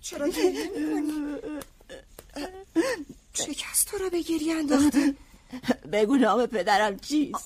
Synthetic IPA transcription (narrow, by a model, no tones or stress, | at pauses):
t͡ʃʰeɾeo | ʃecʰæst̪t̪ʰoɾɒːbeɟiɾjænd̪ɒːχt̪i | beɡunɒːmepʰe̞d̪æɾæmt͡ʃʰiːs